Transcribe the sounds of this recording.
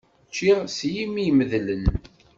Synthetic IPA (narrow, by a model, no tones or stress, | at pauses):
t͡ʃːiʁsjimiməðlən